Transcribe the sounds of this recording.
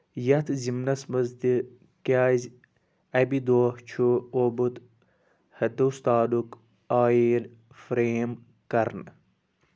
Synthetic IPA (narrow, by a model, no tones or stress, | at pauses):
jɐt̪ʰzimnɐsmɐzd̪i | kaːz | ɐbid̪oːht͡ʃʰuobut̪ | hɐd̪ɐust̪aːd̪uk | aːjeːl | fɾeːm | kɐɾn